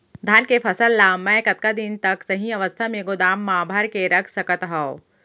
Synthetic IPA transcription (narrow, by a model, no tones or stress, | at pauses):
d̪ʱaːnkepʰɐsəlːaːmɛ̃kɐt̪̚kad̪ɪnt̪ɐksɐɦĩɐʋəst̪ʰamẽɡod̪aːmːaːbʱəɾkeɾɐkʰsɐkət̪ɦao